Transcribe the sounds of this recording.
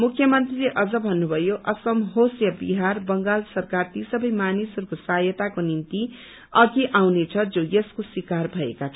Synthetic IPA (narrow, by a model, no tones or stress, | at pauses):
mukʰːjʌmʌnt̪rileʔʌd͡zʌbʱʌnːubʱʌjoʔʌsʌmɦosjʌbiɦarbʌŋɡalsʌrkart̪isʌbʌjmanisʌrkosajʌt̪akonint̪i | ʌɡiʔawnet͡sʰʌd͡zojeskoswikarbʱʌḛkat͡sʰʌ